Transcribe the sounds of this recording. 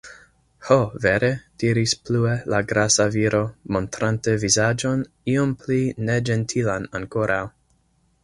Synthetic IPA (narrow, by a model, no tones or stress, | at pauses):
hoveɾed̥iɾispluelaɡɾasaviɾo̞mo̞ntɾantevizad͡ʒo̞n | iompline̞d͡ʒentʰilanaŋkoɾʔaw